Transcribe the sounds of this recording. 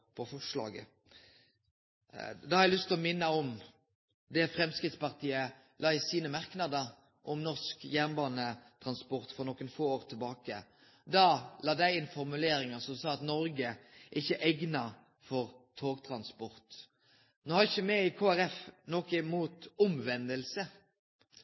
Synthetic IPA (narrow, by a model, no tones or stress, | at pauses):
pʰɔfɔʂlɑ̰ːɡə̰ | d̪ɑhɑɾɛɪlʏst̪ʰːɪlɔmɪnːəɔm | d̪ɛfɾɛmskʁɪt̪spɑʁt̪ʰiːə | lʔɑːɪsiːnəmæʁknɑd̪əɾ | ʔɔmnɔʁskjæːʁnbɑːnət̪ʰɾɑnspɔɾt̪fɔʁnɔkːənfoːoːʁt̪ʰɪlbɑːkə̰ | d̪ɑːlɑːd̪æɪɪnfɔʁmʉleːɾɪŋəsɔmsɑːɑt̪nɔɾɡəɛɪçːəʔɛɡnɑ | fɔʁt̪ʰoːɡt̪ʰɾɑnspɔɾt̪ | noːhɑɾɪçːəmɛɪkʰoːæɾɛfnoːkəmuːt̪ʊmʋɛnd̪əlsə